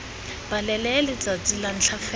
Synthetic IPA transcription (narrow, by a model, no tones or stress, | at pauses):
b̥alɛlɛlɪt͡sat͡sʼilan̩ɬʰafɛ